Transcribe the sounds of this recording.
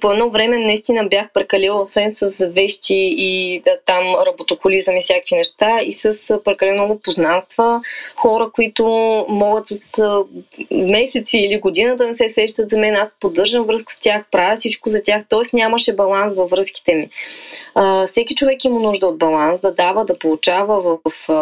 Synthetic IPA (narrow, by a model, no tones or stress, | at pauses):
poɛd̪ɔvɾɛmɛnɐist̪inəbjaxpɾɛkɐlɛlˠosvɛnsəsvɛʃt̪ʲiːt̪amɾɐbot̪opʊlizəmifsʲjakvinɛʃt̪aisəspɾɛkɐlɛnolˠopoznanst̪vəxɔɾəkoit̪omɔɡət̪səs | mɛsɛt̪siːliɡod̪inəd̪əɐnɛsɛsɛʃt̪ət̪zɐmɛnaspod̪ɤɾʒəmvɾɤskə̥st̪ʲjaxpɾavʲɛsit͡ʃkʊzɐt̪ʲaxt̪ɔɛsnʲaməʃɛbɐlˠansvɐvɾɤsk̟i̥t̪ɛmi | əfsɛkʲit͡ʃovɛkimənuʒd̪əod̪̚bɐlˠansd̪ɐd̪avəd̪ɐpolˠut͡ʃavəvəf